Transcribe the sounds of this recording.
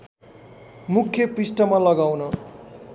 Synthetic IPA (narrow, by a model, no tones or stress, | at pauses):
mukʰːjʌprisʈʌmalʌɡawnʌ